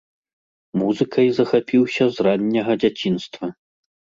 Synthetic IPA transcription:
muzɨkʰɐjzɐxapʲiwsʲɐzranʲːɐɣɐd͡zʲat͡sʲinst̪vɐ

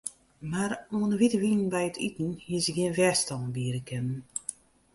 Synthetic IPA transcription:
maɾuənəʋitəʋinənbɛjətʰitn̩hisəɡiənʋɛstɔmbiəɾəkʰɛnən

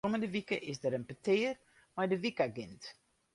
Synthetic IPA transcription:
ɔməndəʋikəʔɪsdəɾənpətʰɪːər | majdəʋikaɡɪnt

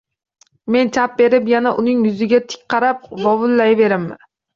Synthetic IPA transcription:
me̞nt͡ʃʰap̚be̞ɾɪpjanaʔʊnɪŋjʊzɪɡʲat̪ʰɪ̥k̚ʲqʰɑɾap̚vɒvʊlːajve̞ɾɪmːɪ

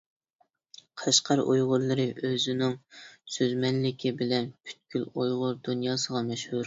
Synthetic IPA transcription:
qʰɑʃqʰɑɾo̰jʁʊɾlˠɨɾɨʔøzɪnɪŋsøzmɛnlɪkʲʰibɪlɛnpʰy̥t̪̚kʲylojʁʊɾd̪unjɑːsəʁɑmɛʃhuɾ

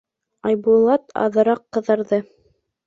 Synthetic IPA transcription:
ɑjbulˠɑt̪ɑ̰ðɤ̆ɾɑqːɤ̆ðɤ̆ɾðɤ

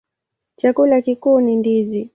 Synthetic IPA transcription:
t͡ʃakulakikuːnindizi

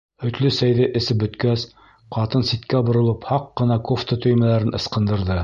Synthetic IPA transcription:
ɵ̆t̪lɵsæjðɘʔɘ̆sɘp̚bɵ̆t̪kæs | qɑt̪ɤnsit̪kæbŏɾŏlˠɤphɑqːɤ̆nɑkoft̪ət̪ɵ̆jmælæɾɘnɤ̆sqɤ̆nd̪ɤ̆ɾðɤ

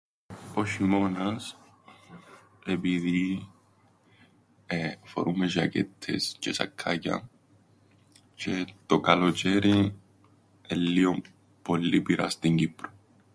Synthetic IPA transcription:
poʃimo̞nɐs | epiði | fo̰ɾumeʒɐcḛt̪ʰːḛscesɐ̰kʰːacɐ̰n | cʰet̪okɐlot͡ʃeɾi | elːiom | polːipiɾʔɐ̰st̪iɲɟipɾo̥

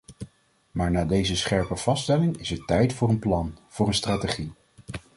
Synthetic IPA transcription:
maːɹnaːdejzəsχɛɹpəv̥ɑstɛlɪŋɪsɛɹtɛjtfʊːɹənplɑnv̥ʊːɹənstraːteχi

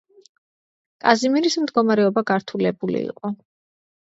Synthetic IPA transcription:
kʼazimiɾismd̪ɡɔmaɾɛɔbaɡaɾt̪ʰulɛbulḭḭqʼɔ

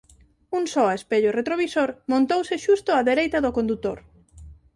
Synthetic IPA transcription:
uŋsɔespeʎʊret̪ɾoβisoɾmõnt̪owsɪʃust̪ʊaðeɾejt̪ɐðʊkõnd̪ut̪oɾ

